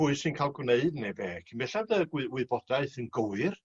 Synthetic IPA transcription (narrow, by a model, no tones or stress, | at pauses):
ʊɨsɨnkʰalˠɡwneɨdnebeːkʰinbɛɬadəɡwɪwɪbɔdaɨθənɡəwɨr